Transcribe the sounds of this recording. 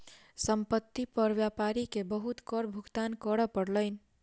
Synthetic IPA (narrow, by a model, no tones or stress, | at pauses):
səmpət̪ːipəɾbjapaɾikebəɦut̪kɔɾbʱuɡt̪ankəɾəpəɽləɪni